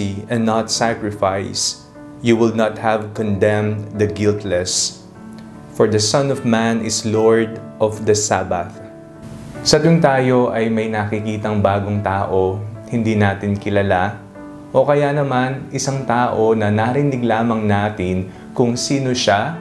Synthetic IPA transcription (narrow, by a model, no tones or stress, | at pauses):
iɛnːɐt̪sakɹɪfajs | juwɪlnɐt̪̚hɐvkɔ̃nd̪ɛ̃md̪ɐɡɪlt̪lɛs | fɔɹd̪ɐsɐnɔvmãnɪsloɹd̪ʔɔvd̪ɐsabɐ̰θ | sɐt̪oŋt̪aːjo̞ʔɐjmɐjnɐkɪkiːt̪ɐŋbaːɡoŋt̪aːʔohɪnd̪iːnaːt̪ɪnkɪlɐla | ʔo̞kɐjanɐmanʔɪsaŋt̪aːʔonɐnaɾɪnɪɡlaːmɐŋnaːt̪ɪn | kʊŋsiːnoʃa